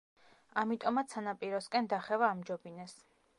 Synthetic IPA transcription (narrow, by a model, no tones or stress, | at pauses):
amit̪ʼɔmat̪sʰanapʼiɾɔskʼɛnd̪aχɛvaːmd͡ʒɔbinɛs